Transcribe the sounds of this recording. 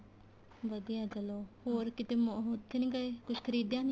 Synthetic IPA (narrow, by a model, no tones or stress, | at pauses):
ʋəd̪ijaːd͡ʒəloːhoːɾkɪt̪eːmɦot̪ʰːenĩːɡəekʊʃkʰəɾiːd̪jãːni